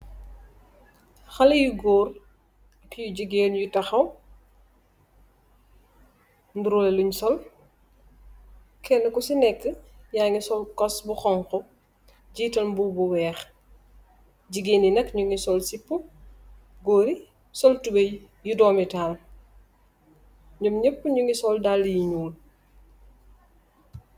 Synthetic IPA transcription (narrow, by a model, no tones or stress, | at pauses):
xɐlɐjuɡɔːr | kijuɟiɡeːnjutɐxɐw | nduɾulɛluɲsɔl | kʰɛnːəkusinɛkːəjaːŋisɔlkɔsbuxɔŋkɔ | ɟiːtɐlmbubuwɛːx | ɟiɡeninɐkɲuŋisɔlsipːu | ɡoːɾi | sɔltube | judɔːmitaːl | ɲomɲəpːəɲuŋisɔldalːjiɲuːl